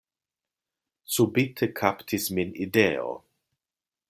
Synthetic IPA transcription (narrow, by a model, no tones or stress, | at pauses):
subit̪ʰəkʰapt̪ʰisminideo̰